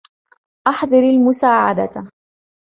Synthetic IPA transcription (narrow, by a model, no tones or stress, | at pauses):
ʔɑħd̪ˤɨɾalmʊsaːʕa̰d̪a̰t̪